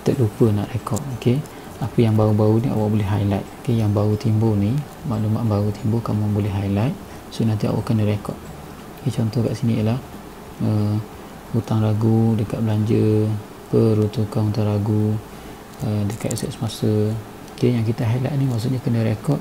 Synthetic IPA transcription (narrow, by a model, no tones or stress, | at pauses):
t̪əʔ̚lupəna̰ʔrekɔt̪̚oke | apəjaŋbaubaunia̰waʔbolɛɦajlajt̪̚okejaŋbaut̪imboni | maʔdumaʔbaut̪ʰimbʊkamubolɛɦajlajt̪̚ | sonant̪ia̰wa̰ʔkənəɾekɔ̰t̪̚ | oket͡ʃɔnt̪ɔhkaʔsiniəlah | ə | ut̪aŋraɡudəkat̪ʔ̚bəlaɲd͡ʒə | pəɾut̪ukanunt̪aŋɾaɡu | ədəka̰ʔsɛ̰ʔsəmasə | dəjaŋk̬it̪əɦajla̰ʔnimaʔs̬uʔɲakənəɾekɔt̪̚